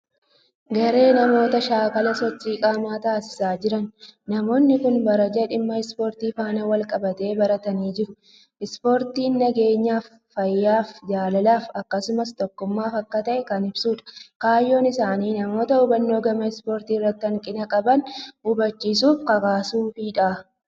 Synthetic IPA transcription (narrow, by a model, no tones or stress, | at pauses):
ɡɐɾe̞ːnɐmo̞ːt̪ɐʃaːkɐlɐsɔt͡ʃːiːkʼaːmaːt̪aːsɪ̥saːd͡ʒɪɾɐnːɐmo̞ːnːɪkʊnbɐɾɐd͡ʒɐᶑɪmːɐɪspo̞ːɾt̪iːfaːnɐwɐlkʼɐbɐt̪e̞ːbɐɾɐt̪ɐniːd͡ʒɪɾʊ | ʔɪspo̞ːɾt̪iːnːɐɡe̞ːɲːaːfːɐjːaːfd͡ʒaːlɐlaːfɐkːɐsʊmɐst̪ɔkːʊmːaːfɐkːɐt̪ɐʔɛkɐnɪbsuːᶑɐ̥kaːjːo̞ːnɪsaːniːnɐmo̞ːt̪ɐʊbɐnːo̞ːɡɐmɐɪspo̞ːɾt̪iːrːɐt̪ːɪɐŋkʼɪnɐkʼɐbɐnʊbɐt͡ʃːiːsuːfkɐkaːsuːfiːᶑaː